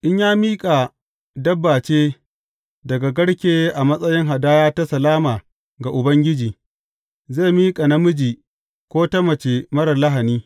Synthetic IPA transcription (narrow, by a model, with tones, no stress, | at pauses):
ʔɪ˦ɲjaː˦miː˦kʼa˨ | dɐ˦bːaː˨t͡ʃeː˦ | dɐ˨ɡa˨ɡɐ˦ɽkʲeː˦ʔa˨mɐ˦sʼɐ˦jɪ˦ŋɦa˨daː˦jaː˦ta˦sɐ˨laː˦maː˨ | ɡa˨ʔʊ˨bɐ˦ŋɡʲɪ˦d͡ʒiː˨ | zeː˦˨miː˦kʼa˨nɐ˦mʊ˦d͡ʒiː˨ | kʷoː˦tɐ˦mɐ˨t͡ʃe˨mɐ˦ɽɐ˨la˦ɦa˨niː˦